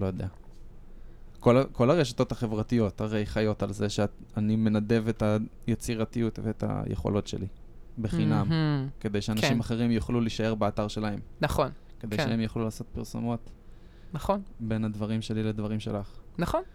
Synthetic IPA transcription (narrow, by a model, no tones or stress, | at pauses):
lojod̪ea | ko̞lako̞laʁe̞ʃḁto̞taχe̞vʁatijo̞thaʁe̞jχajo̞talze̞ʃeanime̞nade̞vetajet͡siʁatijutveet̪a̰jʔḛχo̞̰lo̞tʃe̞̰li | beχinamke̞d̪ejʃeanaʃimaχeʁimjoχluliʃae̞ʁbeataʁʃe̞lahe̞mnaχon | ke̞d̪e̞jʃeemjaχlulaːso̞t̪̚piʁso̰mo̞t̪ | naχonbe̞nad̪vaʁimʃe̞liled̪vaʁimʃe̞laχnɐχon